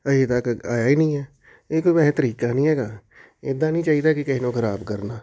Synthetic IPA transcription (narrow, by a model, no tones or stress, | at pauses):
ɐd͡ʒit̪akaːjaːinɐĩɦɛː | ekoːibɛɦt̪əɾiːkanɐɦĩɦɛːɡaː | ed̪anɐɦĩt͡ʃaːɦid̪akikɐɦinoxɐɾaːbkɐɾnaː